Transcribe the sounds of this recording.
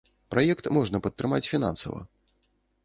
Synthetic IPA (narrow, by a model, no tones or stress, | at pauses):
pɾajɛkt̪mɔʐnɐpɐt̪ːɾɨmat͡sʲfʲina̰nsɐ̰vɐ̰